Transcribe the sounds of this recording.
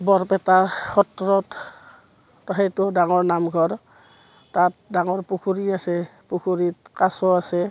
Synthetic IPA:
bɔɹpɛtaxɔtɹɔt | tɔɦɛtɔdaŋɔɹnamɡʱɔɹ | tat̚daŋɔɹpukʰuɹiasɛpukʰuɹitkasɔasɛ

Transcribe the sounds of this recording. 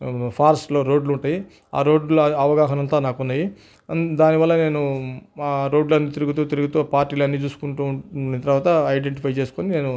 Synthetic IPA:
pʰaːɾsʈlo̞ːɾo̞ːɖluɳʈaːji | a̰ːɾo̞ːɖluɐʋɐɡaːɦɐnɐnt̪aːnaːkunːaːji | d̪aːniʋɐlːɐne̞ːnu | ɾo̞ːɖlɐnːiːt̪iɾuɡut̪uːt̪iɾuɡut̪uːpaːɾʈːiːlɐnːiːt͡ʃuːsu̥kuɳʈuːit̪ɐɾʋaːt̪ɐɐjɖeɳʈipʰɐjt͡ʃeːsu̥koːnine̞ːnu

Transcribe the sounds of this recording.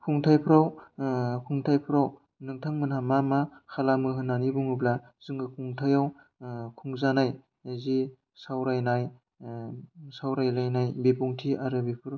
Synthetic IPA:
pʰuŋtʰajpʰɯɾaw | pʰuŋtʰajpʰɯɾaw | nɯŋtʰaŋmɯnhamamakʰalamɯɦɯnːanibuŋɯbla | zɯŋɡɯkʰuŋtʰajaw | kʰuŋzanaj | zi | sawɾajnaj | sawɾajlajnajbipuŋtʰiaɾɯbipʰɯɾ

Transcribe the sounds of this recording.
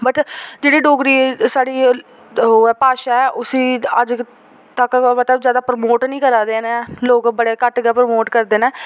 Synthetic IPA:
bəʈd͡ʒeːɽiːɖoːɡɾiːsaːɽiː | ɦɛːpaːʃaːɛːʔʊsĩːəd͡ʒ | t̪əkmət̪ləbzjaːd̪aːpɾəmoːʈnĩːkəɾaːd̪eːnɛ̃ːloːkbəɽeːkəʈɡɛːpɾmoːʈkəɾd̪eːnɛ̃ː

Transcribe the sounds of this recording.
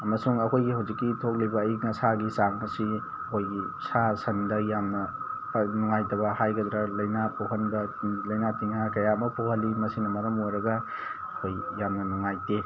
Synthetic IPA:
ɐmɐsuŋɐkʰojɡiɦɐwzikːitʰok̚libɐːjŋɐsaɡisaŋmɐsi | ɐkʰojɡisasɐndɐjamnɐpnuŋajtɐβɐhajɡɐd̪ɾɐlɐjnapoɦɐnbɐlɐjnatiŋakɐjaɐmɐpʰohɐlːimɐsinɐmɐɾɐmojɾɐɡɐ | ɐkʰojːamnɐnuŋajte

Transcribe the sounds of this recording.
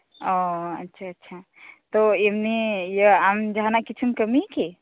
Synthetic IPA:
ɔətːʃʰaːtːʃʰa | t̪ɔemnejəamd͡ʒaɦnakit͡ʃʰunkəmike

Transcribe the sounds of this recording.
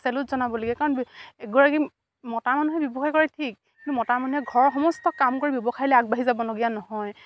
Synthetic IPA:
sɛlutzɔnabɔloɡɛkaɹɔnɛɡɔɹaki | mɔtaɹmanuɦɛbjɔbɔxʰajkɔɹɛtʰik̚ | kintumɔtaɹmanuɦɛɡʱɔɹxɔmɔstɔkamkoɹibjɔbɔxʰajilɛaɡ̚baɦizabɔloɡijanɔɦɔj

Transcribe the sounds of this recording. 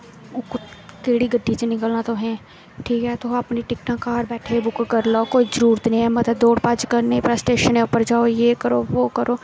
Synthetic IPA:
ʊkʊkeːɽiɡəɖʱːisenɪkəlnat̪oɦɛ̃ː | ʈʰiːkɦɛːt̪oɐpniʈɪk̚ʈãːkːaːɾbɛːʈʰebʊkkəɾlaokoːizəɾuːɾt̪nĩɦɛːmɐt̪əd̪oːɽpaːd͡ʒkəɾnepɾasʈeːʃənẽʊpəɾd͡ʒaːojeːkəɾoːʋoːkəɾʔoː

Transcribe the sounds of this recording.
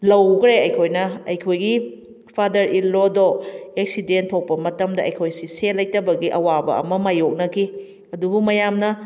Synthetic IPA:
lɐwɡɾeɐjkʰojnɐɐjkʰojɡi | pʰadɐɾilːodoek̚sidentʰːok̚pɐmɐtɐmdɐʔɐjkʰojsiselɐjtɐbɐɡiʔɐwabɐ̰ɐ̰mɐmajok̚nɐkʰi | ɐdubumɐjamnɐ

